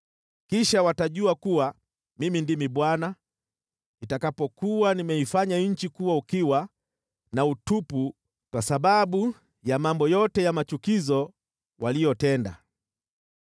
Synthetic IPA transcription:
kiʃawataʄuakuwa | mimindimiɓwana | itakapɔkuwanimɛifaɲaɲ̩t͡ʃikuwaukiwa | nautupu | kwasaɓaɓu | jamambɔjɔtɛjamat͡ʃukizɔ | wʔalijɔtɛnda̰

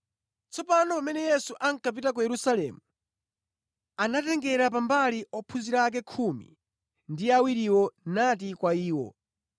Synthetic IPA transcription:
t͡sɔpanɔpamɛnɛjɛsuʔaŋkʰap̬itak̬ujɛɾusalɛ̰mu | anatɛŋɡɛɾap̬ambaliɔpʰuziɾak̬ɛkʰumḭ | ndiawiɾiwɔnat̬ikwaiːwɔ̰

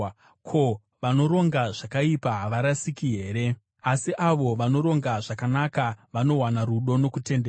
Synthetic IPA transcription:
kʰo̞ | ʋano̞ɾo̞ŋɡaʐakaipaɦʋaɾasikiɦe̞ːɾe̞ | asiʔaʋo̞ʋano̞ɾo̞ŋɡaʐakanakaʋano̞wanaɾuɗo̞no̞kute̞nde

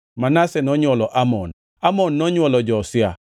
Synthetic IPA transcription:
manasɛnɔɲwɔlɔʔamɔn | amɔnːɔɲwɔlɔd͡ʒɔːsɪa̰

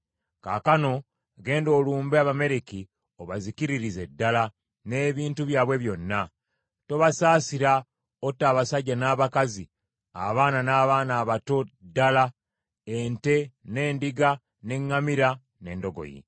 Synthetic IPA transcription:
ka̰ːkano̞ | ɡe̞ːndo̞ːluːmbeaβame̞ɾiki | o̞βazikiɾiɾize̞dːala | ne̞ːβiːntuβjaːβwe̞βjo̞nːa | to̞βasaːsiɾa | otːaːβasaɟːanaːβakazi | a̰βaːnanaːβaːnaːβato̞dːala | ente̞ne̞ːndiɡa | ne̞ŋːamiɾa | ne̞̰ːndo̞ɡo̰jḭ

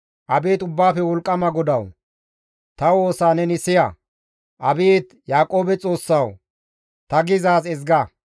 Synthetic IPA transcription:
ʔɐbeːt̪ʊbːaːfɛwɔlkʼːɐmɐɡɔd̪ɐw | t̪ɐwo̞ːsaːnɛnɪsɪjɐ | ʔɐbeːt̪jaːkʼo̞ːbɛt͡sʼo̞ːsːɐw | t̪ɐɡɪzaːsɛzɡɐ

